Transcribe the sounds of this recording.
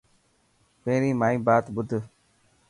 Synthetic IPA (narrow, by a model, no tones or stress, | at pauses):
pẽːɾĩːmaːĩːbaːt̪ɓʊd̪ʱ